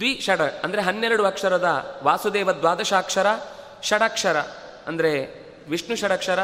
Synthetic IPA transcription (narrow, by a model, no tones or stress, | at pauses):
d̪ʋiʃɐɽɐɐnd̪ɐɾeɦɐnːeɾɐɽuɐkʂɐɾɐd̪ɐʋaːsud̪eːʋɐd̪ʋaːd̪ɐʃaːkʂɐɾɐ | ʃɐɽɐkʂɐɾɐ̰ | ɐnd̪ɐɾe | ʋiʂɳuʃɐɽɐkʂɐɾɐ